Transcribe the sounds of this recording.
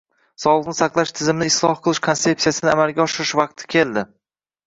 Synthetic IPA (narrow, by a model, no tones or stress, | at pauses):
sɒlˠɨʁnɪsɑqlˠaʃt̪ʰɪzɪmnɪːslˠɒhqʰɨlˠɪʃkʰonse̞p̚sijasɪnɪamalˠɡʲaɒʃɪɾɪʃvɑq̚t̪ʰɪ̥kʲʰe̞ld̪ɪ